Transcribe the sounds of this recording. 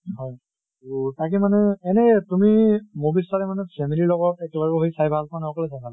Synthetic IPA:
ɦɔj | ɹutak̬imanɛɛnɛtumimobisaɾɛmanɛpʰɛmililɔɡɔtɛkɛlaɡɔɦojsajbʱalkɔanɛɔkɔlɛsajbʱal

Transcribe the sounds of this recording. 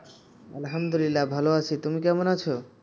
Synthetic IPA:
ɐlɦɐmd̪ulilːabʱaloat͡ɕʰit̪umikɛmonat͡ɕʰo

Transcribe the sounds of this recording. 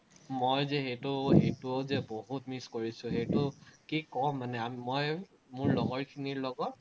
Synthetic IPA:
mojzɛxejtʊhejtuozɛboɦut̚miskoɹisʊ̃xejtʊkikɔmːanɛammoj | mʊɹlɔɡɔɹkʰiniɹlɔɡɔt̚

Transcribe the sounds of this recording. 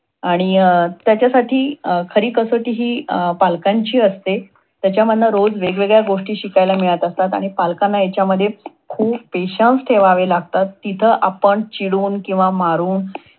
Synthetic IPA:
aɽ̃it̪jat͡ɕjasaʈʰiːkʰəɾiːkəsəʈiːɦiːpalkaɲt͡ɕiːəst̪e | t̪jat͡ɕjaməd̪ʱnaɾod͡zʋeɡʋeɡɭjaɡoʂʈiːɕikajlamiɭət̪ast̪at̪a̰ɽ̃ipalkanːajat͡ɕjaməd̪ʱje | kʰuːb̚peɕənsʈ̪ʰeʋaʋelaɡ̚t̪at̪ːit̪ʰəʔapəɳt͡ɕiɽuːnkĩw̃ʋamaɾuːn

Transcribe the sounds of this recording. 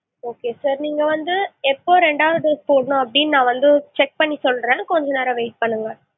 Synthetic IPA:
oːkeːsaːɾniːŋɡɐʋɐnd̪ɯɛpːoːɾɛɳɖaːʋɐðɯspoːɽnʊ̃ɐpːɐɽinnãːʋɐnd̪ɯt͡ʃɛk̚pɐɳːisɔlɾẽːkɔɲd͡ʒɔneːɾɐʋeɪʈ̚pɐɳːɯŋɡɐ

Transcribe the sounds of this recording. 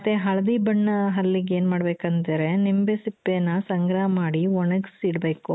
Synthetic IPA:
ɐt̪eɦɐɭɐd̪ibɐɳːɐɦɐlːiɡe̞ːnmaːɽbeːkɐnt̪eɾenimbesipːenːɐsɐŋɡɾɐɦɐmaːɽiʋɔɳɐɡsiɽbeːku

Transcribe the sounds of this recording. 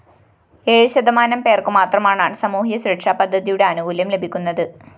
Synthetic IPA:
eːɻɕɐd̪ɐmaːnɐmpe̞ːrkumaːt̪rɐmaːɳaːɳsɐmuːɦijɐɕɾɐʈʂaːpɐd̪ʱːɐðijuɽe̞ɐnuʋuːljɐmle̞bʱikʲːunːɐðɨ

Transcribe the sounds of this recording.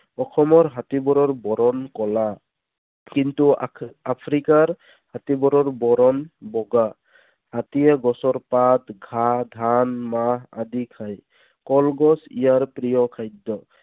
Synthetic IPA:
ɔkʰɔmɔɹɦatibɔɾɔɹbɔɾɔnkɔla | kintuapʰɾikaɹ | hat̪ibɔɾɔɹbɔɾɔnbɔɡa | hat̪ijɛɡɔsɔɹpat̪ɡʱadʱanmaɦa̰d̪ikʰaj | kɔlɡɔsḭjaɹpɾijɔkʰajd̪ːɔ

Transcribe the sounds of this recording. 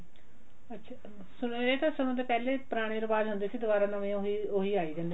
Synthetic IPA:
ətːʃʰaː | sʊneːt̪ãːsʊñõːt̪eːpɛːleːpɾaːɽ̃iːɾbaːd̪ɦʊnd̪eːsiːd̪ʊʋaːɾãːnãːʋẽːoioːɦiːaːiːd͡ʒãːnd̪

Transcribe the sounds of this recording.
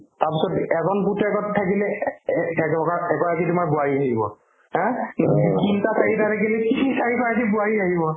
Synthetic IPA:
taɹpisɔtɛzɔnputɛkɔttʰːakilɛ | ɛkkaɛkɔɹakitumajbʊaɹiaɦibɔ̰ | hɛ̃ | kintasaɹitatakilɛkisaɹikɔɹakibʊaɹiaɦibɔ

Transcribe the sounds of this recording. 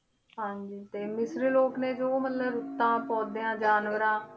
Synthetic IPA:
ɦãːɲd͡ʒiːt̪eːmɪsɾloːknẽːd͡ʒoːmət̪ləbʊt̪ːãːpɔːd̪eãːd͡ʒaːnʋəɾãː

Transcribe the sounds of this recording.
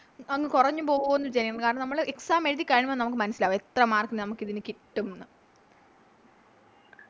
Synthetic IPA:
ɐŋːɨkurɐɲːupo̞ːonːʋit͡ɕaːnikʲːɐɳːkaːɾɳɐmnɐmːɐɭeksaːmeːɻiðikʲːaːɻiɳimannɐmukːɨmɐnɐsilaːʋet̪rɐmaːrkinnɐmukːiðinɨkiʈːumnːɐ

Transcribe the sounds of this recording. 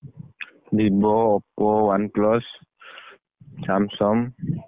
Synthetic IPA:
dibɔːpɔwanklɔs | samsɔm

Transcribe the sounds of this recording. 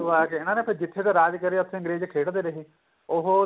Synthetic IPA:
ʋaːkeɪnãːneːpʰɪɾd͡ʒɪt̪ʰːeːt̪aːɾaːd͡ʒkəɾiːət̪ʰːẽɪ̃ŋɡɾeːd͡ʒkʰeːʈd̪eːɾəɦiː | ʊɦo

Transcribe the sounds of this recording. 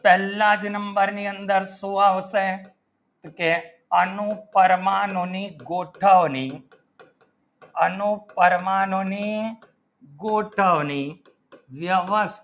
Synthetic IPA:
pɛːlaːd͡ʒnəmbəɾniːənd̪əɾsuaːʋse | t̪uke | ɐnupəɾmaːnoniɡoːʈʰəʋni | ɐnupəɾmaːnoni | ɡoːʈʰaʋni | ʋjəʋəst̪

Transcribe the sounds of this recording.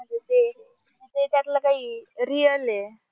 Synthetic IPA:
m̤əɳd͡zet̪e | əet̪et̪jat̪lakaɦiːɾiəle

